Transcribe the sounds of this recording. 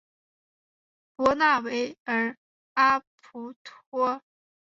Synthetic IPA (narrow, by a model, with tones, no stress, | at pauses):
pwɔ˧˥na˥˩we˧˥ɪə˞˧˥ | a˥pʰu˧˥t̪ʰwɔ˥